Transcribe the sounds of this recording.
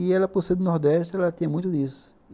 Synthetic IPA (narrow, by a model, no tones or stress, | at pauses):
iɛlɐposed̪ʊnoɾd̪ɛʃt̪ɪɛlɐt̪ĩɲɐmũj̃t̪ʊd̪isʊ̥